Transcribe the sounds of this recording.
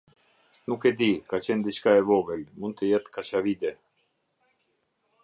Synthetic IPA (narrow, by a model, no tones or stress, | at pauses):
nukɛd̪ikat͡ɕɛnd̪it͡ʃkaɛvɔvɛlmund̪̚t̪əjɛt̪kaʃavid̪ɛ